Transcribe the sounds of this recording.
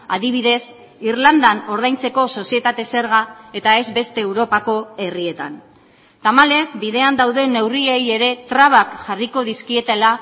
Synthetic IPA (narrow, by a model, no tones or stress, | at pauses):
aðiβ̞iðe̞s | iɾland̪ano̞ɾð̞ajnt͡se̞ko̞so̞sie̞t̪at̪e̞se̞ɾɣae̞t̪ae̞zbe̞st̪e̞ːwɾo̞pako̞e̞riet̪a̰n | t̪amale̞zbiðe̞and̪awðe̞ne̞wrieje̞ɾe̞t̪ɾaβ̞akxariko̞ðiskie̞t̪ela